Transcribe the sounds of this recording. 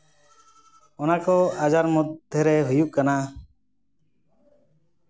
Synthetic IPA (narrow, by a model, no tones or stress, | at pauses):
ɔnakɔad͡ʒaɾmud̪ʱjəɾɛɦujuʔkana